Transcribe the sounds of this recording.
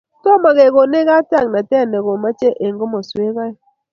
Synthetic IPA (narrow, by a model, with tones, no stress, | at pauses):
to˦ma˨ɣe˨ɣo˨ne˦ɣa˦ta˦˨ŋna˨tɛ˦˨ne˨ɣo˨ma˦t͡ʃe˦ʔe˨ŋ˨ɡo˦mɔ˨swe˦ɣa˦i˦